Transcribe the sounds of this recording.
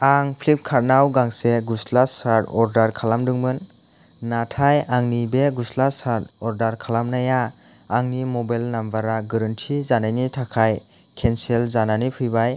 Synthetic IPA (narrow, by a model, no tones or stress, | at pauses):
aŋpʰlip̚kʰaɾnawɡaŋseɡuslasaɾdɔɾdaɾkʰalamdɯŋmɯnː | atʰajaŋnibeɡuslasaɾdɔɾdaɾkʰalamnajaː | ŋnimɔbajlnambaɾaɡɯɾɯntʰizanajnitʰakʰaj | kʰenselzananipʰɯjbaj